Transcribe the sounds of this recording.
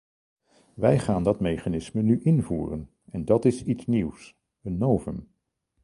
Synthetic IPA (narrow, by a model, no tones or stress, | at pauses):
ʋɛjχaːndɑtmejχanɪsmənyʔɪnvṵːrən | ɛndɑtɪsitsniws | ənːowvəm